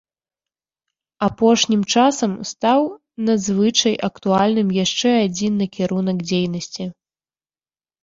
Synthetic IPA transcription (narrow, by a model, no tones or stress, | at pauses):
apɔʂnʲimt͡ʂasɐmst̪aw | nɐzvɨt͡ʂɐjʔɐkt̪ualʲnɨmjaʂt͡ʂɛad͡zʲinːɐkʲɛɾunɐɡd͡zʲejnɐsʲt͡sʲi